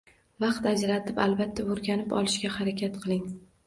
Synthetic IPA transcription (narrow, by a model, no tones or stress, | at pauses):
vɑqt̪ad͡ʒɾat̪ʰɪpalˠbat̪ʰːaoɾɡʲanɪpɒ̰lˠɪʃɡʲahaɾakʲʰat̪qʰɨlˠɪŋ